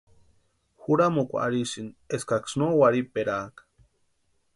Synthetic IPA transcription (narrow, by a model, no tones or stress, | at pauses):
xuɾamokʷa̰aɾisineskaksnowaɾipeɾaːkḁ